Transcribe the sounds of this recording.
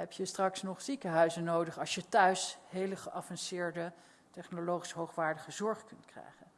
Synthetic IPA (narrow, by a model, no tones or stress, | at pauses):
ɦɛpjəstrɑksnɔχsikəɦœɥzənoːwdəχɑʃjətœɥshejləχəʔɑfɑnsɪːɹdə | tɛχnolowχi̥sɦowχʋaːɹdəχəzɔɹχkɵntkrɛ̰jχən